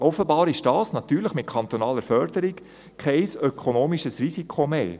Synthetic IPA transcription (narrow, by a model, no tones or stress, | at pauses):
ʔɔfəbɑːɾɪʃd̥ɑːsnɑt̪yːɾləχmɪt̪̚kʰɑnt̪onɑːləɾfœɾd̥əɾik | kʰɛɪsøkʰonoːmiʃəsrisikʰχomeː